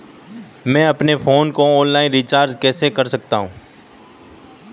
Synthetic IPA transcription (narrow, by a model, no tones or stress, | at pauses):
mɛ̃ːɐpnefʰoːnkoɔ̃ːnlaːɪ̃nɾit͡ʃaːɾd͡ʒkɛːsekɐɾsɐk̚t̪aɦũː